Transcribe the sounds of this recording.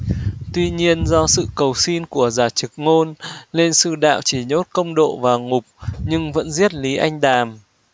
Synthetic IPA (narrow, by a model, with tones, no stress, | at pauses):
t̪wi˧ɲi˧ənzɔ˧sɨ̰˧˨kə˨˩wsi˧nku˧˩əzaː˨˩t͡ɕɨ˨˩k̚ŋo˧nle˧nsɨ̰˧˨ɗa̰ː˧˨wt͡ɕi˧˩ɲo˦˥t̚kə˧wŋ͡mɗo̰˧˨vaː˨˩ŋʊ˨˩k͡p̚ɲɨ˧ŋvə̰˧˥nzi˦˥ət̚li˨˦ʔa˧jŋ̟ɗaː˨˩m